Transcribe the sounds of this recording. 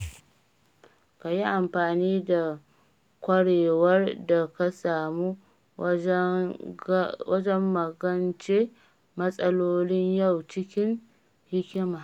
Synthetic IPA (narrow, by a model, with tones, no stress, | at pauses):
ka˨ji˦ʔa˨mɸaː˨niː˦da˨ | kʷɐ˦ɽeː˨wɐ˦rda˨ka˦saː˨mu˦ | wɐ˦d͡ʒɛ˦mːɐ˨ɡɐ˦nt͡ʃeː˦ | mɐ˦sʼɐ˦loː˦nɪ˦ɲjɐ˦˨wt͡ʃɪ˦kʲɪ˦ŋ | hɪ˦kʲɪ˦maː˨